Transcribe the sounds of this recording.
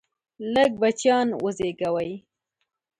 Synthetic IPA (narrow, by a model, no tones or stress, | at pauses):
ləɡ̚bat͡ʃjɑnwəzeɡawaj